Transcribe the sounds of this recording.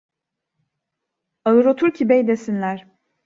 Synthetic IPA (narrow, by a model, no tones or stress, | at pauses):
alˠɯɾo̞t̪ʰuɾcʰibejd̪esinlʲæɾ̥